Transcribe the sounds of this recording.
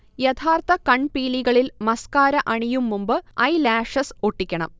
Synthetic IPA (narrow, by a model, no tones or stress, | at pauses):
jet̪ʰaːrt̪ɐkɐɳpiːliɣɐɭilmɐskaːɾɐʔɐɳijumːumbɨɐjlaːʂɐsoʈːikʲːɐɳɐ̰m